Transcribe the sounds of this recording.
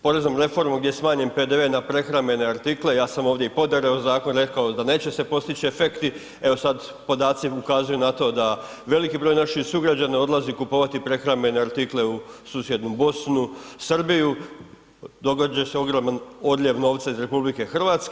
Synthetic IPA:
po̞ɾe̞znomɾe̞fo̞ɾmuɡd̪jesmaːɲe̞mpe̞d̪eʋe̞ːnapɾe̞xɾame̞ne̞aɾt̪iklejaːsamo̞ːʋd̪jeipo̞d̪eɾe̞ozaːko̞nɾe̞kaod̪ane̞ːt͡ɕe̞se̞po̞st̪it͡ɕiefekt̪i | e̞o̞sad̪ | po̞d̪aːt̪siukaːzujunat̪o̞d̪a | ʋe̞likibɾojnaʃixsuɡɾad͡ʑanao̞d̪lˠazikupo̞ːʋat̪ipɾe̞xɾame̞ne̞aɾt̪ikle̞usuːsje̞d̪nubo̞snusərbiju | d̪o̞ɡod͡ʑeseo̞ɡɾomano̞d̪lʎʲe̞ʋno̞ʋt̪saizɾe̞publike̞xr̩ʋaːt̪ske

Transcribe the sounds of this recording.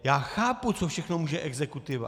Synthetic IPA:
jaːxaːput͡sofʃɛxnomuːʒɛʔɛɡzɛkut̪ɪva̰

